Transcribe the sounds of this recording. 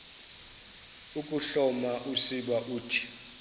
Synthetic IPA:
ukʼuɬɔmaʔusiɓaʔuːtʰi̥

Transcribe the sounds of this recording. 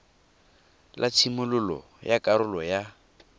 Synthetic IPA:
lʔatʰimʊlʊlɔ̰ | jakʼaɾʊlɔja

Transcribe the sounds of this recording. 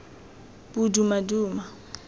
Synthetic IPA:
budumaduːma

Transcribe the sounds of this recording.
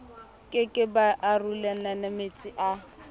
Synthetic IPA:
kʼɪkʼɪbaʔarulananamet͡sʼiʔa

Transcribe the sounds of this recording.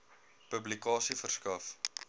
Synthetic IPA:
pəblikɑːsifərskɐf

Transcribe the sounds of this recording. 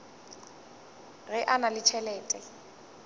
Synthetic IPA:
ɣɛʔanalɪt͡ʃʰɛlɛːtʼɛ

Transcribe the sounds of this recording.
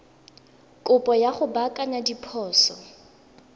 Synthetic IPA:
kʼʊpʼɔjaχʊbakʼanadipʰɔːsɔ

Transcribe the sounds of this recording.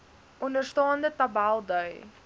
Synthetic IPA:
ʔɔndərstɑːndətɐbælˠdəɥ

